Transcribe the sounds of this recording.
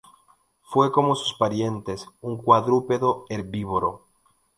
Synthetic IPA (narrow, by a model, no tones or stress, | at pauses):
fweko̞mosu̥spaɾje̞nt̪esuŋkwaðɾupeðoeɾbiβoɾo̰